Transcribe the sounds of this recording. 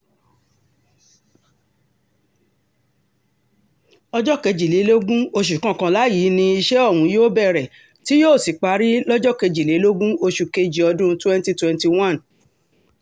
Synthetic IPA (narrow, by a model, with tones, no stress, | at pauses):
ɔ˧d͡ʒɔ˦ke˧d͡ʒi˨le˨˦lo˦ɡũ˦o˧ʃ̬u˨kã˦˨kã˧la˨˦ji˨˦nĩ˧i˧ʃɛ˦ɔ˦˨wũ˨˦joː˦bɛ˦˨ɾɛ˨ | ti˨˦joː˦˨si˨k͡pa˧ɾi˦lɔ˦d͡ʒɔ˦ke˧d͡ʒi˨le˨˦lo˦ɡũ˦o˧ʃu˨ke˧d͡ʒi˨ɔ˧dũ˦˧twɛ̃˦nti˦twɛ̃˦nti˧wã˦˨n